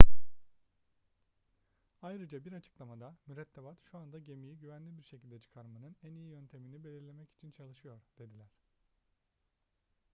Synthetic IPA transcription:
ajɾɯd͡ʒabiɾat͡ʃʰɯ̥klˠamad̪amyɾɛt̪ʰːebat̪ʃuand̪aɟe̞mijiɟyvænlʲibiɾʃe̞cʰilʲd̪ɛt͡ʃʰɯ̥kʰaɾmanɯnænijijø̞nt̪ʰe̞minibe̞lʲiɾlʲe̞mɛci̥t͡ʃʰint͡ʃʰalˠɯʃɯjo̞ɾd̪̥e̞d̪ilʲæɾ̥

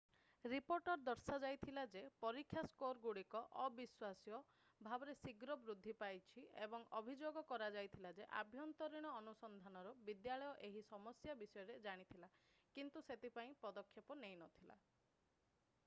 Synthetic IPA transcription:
ɾipoɾʈɔɾd̪ɔɾsad͡ʒajt̪ʰilad͡ʒepɔɾikʰjaskoɾɡuɽikɔʔɔbiswasijɔ | bʱabɔɾesiɡɾɔbɾud̪ʱːipajt͡ʃʰiebɔŋɔbʱid͡ʒoɡɔkɔɾad͡ʒajt̪ʰilad͡ʒeʔa̰bʱjɔnt̪ɔɾiɽ̃ɔːnusɔnd̪ʱanɔɾɔbid̪jaɭɔjɔʔeɦisɔmɔsjabisɔjɔɾed͡ʒaɽ̃it̪ʰila | kint̪uset̪ipaĩpɔd̪ɔkʰːjɔpɔnejnɔt̪ʰila̰

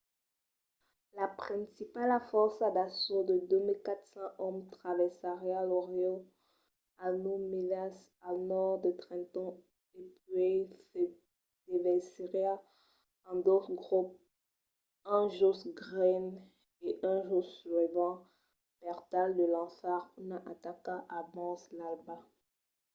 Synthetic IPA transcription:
lapχɛ̃sipalafɔʁsad̪asod̪əd̪ømilkat̪sɑ̃ʔɔmt̪χavɛsaʁjalɔʁjɔ̃ | anumenas | alnɔʁd̪ət̪χɛ̃t̪ɔ̃ | epɥesɛ | d̪̥evɛsiʁja | ɑ̃d̪ot̪χɡʁup̚ | ɛ̃ʒosɡʁɛn | eʔɛ̃ʒoslɛvɑ̃ | bɛʁt̪ald̪əlɑ̃faʁunaʔat̪akaʔabɑ̃slalba

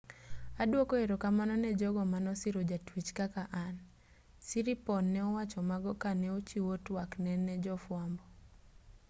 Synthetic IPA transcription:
adwokɔeɾokamanɔnɛd͡ʒɔɡɔmanɔsiɾod͡ʒatwit͡ʃkakaʔan | siɾipɔnːɛɔwat͡ʃɔmaɡɔkanɛot͡ʃiwotwaknɛnɛd͡ʒɔfwambɔ

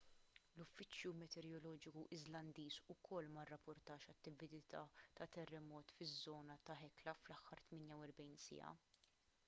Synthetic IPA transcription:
lʊfːɪt͡ʃjumɛt̪ɛɾjɔlɔːd͡ʒɪkuʔɪzlɐnd̪iːzʊkʰɔlːmɐrːɐpːʊɾt̪ɐːʃɐt̪ːɪvɪd̪ɪt̪ɐːt̪ɐt̪ɛrːɛmɔːt̪fɪzːɔːnɐt̪ɐħɛklɐflɐħːɐɾt̪mɪːnjɐwɛɾbɛjnsɪ̰ɐ̰

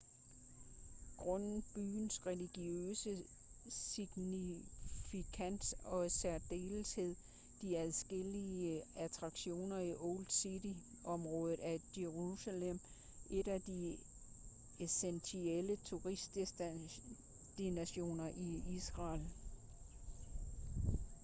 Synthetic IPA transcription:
ɡ̥ʁɔnb̥y̰ːnsʁɛliɡ̥iøːsə | siɡ̥nifikʰæn̰sɒ̽sæɐd̥e̝̰ːlshe̝ð̰ˠ | d̥iæðˠsɡ̥eliəæt͡sʰʁɑ̈ɡ̥ɕo̝̰ːnɐiʔold̥siɾi | ʔɒ̽mʁɔ̽ːð̞ˠð̩ˠæjeʁusælem̰ | ʔe̝dæd̥i | esensʰielət͡sʰuʁisd̥ | d̥inæɕo̝̰ːnɐʔiisʁɑ̈ːl

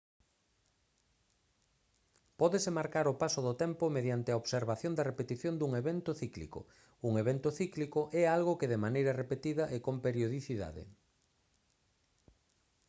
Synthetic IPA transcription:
pɔðesemaɾkaɾʊpasoðot̪ɛmpomeðjant̪ɪɐoβseɾβaθjond̪ɐrepet̪iθjond̪uŋeβent̪oθiklḭko̰ | uŋeβent̪oθiklikoʔɛalɣokeðemanejɾɐrepet̪iðɐʔekompeɾjoðiθiða̰ðɪ̰

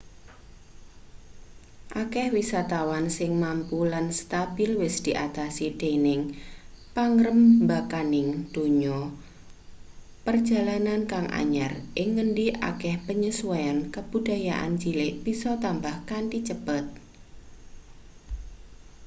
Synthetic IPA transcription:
ʔakɛhwisat̪awansɪŋmampulanst̪ab̥ɪlwɪsd̪̥iʔat̪asid̪̥enɪŋpaŋɾəmbakanɪŋd̪̥o̤ɲɔ | pərd̥ʒ̥a̤lanankaŋʔa̰ɲarʔɪŋːəɳɖiʔa̰kɛhpəɲisuwajankəb̥ud̥a̤jaʔa̰nd͡ʒileʔb̥isɔt̪ambahkanʈit͡ʃəb̥ət̪̚

